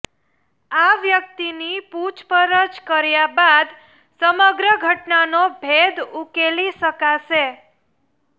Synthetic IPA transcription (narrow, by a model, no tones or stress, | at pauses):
aʋjək̚t̪iniput͡ʃpəɾət͡ʃkəɾjabad̪ | səməɡɾəɡʱəʈnanobʱed̪ukeliʃəkaʃe